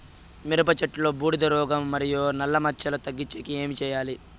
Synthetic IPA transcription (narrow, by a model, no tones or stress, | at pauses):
miɾɐp̬ɐt͡ʃɐʈlo̞ːbuːɽid̪ɐɾɔːɡɐmːɐɾijunɐlːɐmɐt͡ʃːɐlɐt̪ɐɡːit͡ʃːekie̞ːmit͡ʃɛːjaːli